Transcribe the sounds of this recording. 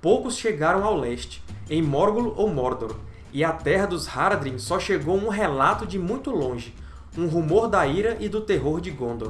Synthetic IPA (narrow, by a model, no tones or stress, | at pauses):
powkʊsʃeɡaɾɐ̃w̃awlɛʃt͡ʃɪ̥ẽj̃mɔɾɡulʊʔowmɔɾd̪oɾ | ɪɐt̪ɛɦɐd̪ʊshaɾd̪ɾĩsɔʃeɡowũɦɛlat̪ʊd͡ʒɪmũj̃t̪ʊlõʒɪ | ũɦumoɾd̪ɐiɾɐʔɪd̪ʊt̪eɦoɾd͡ʒɪɡõnd̪oɾ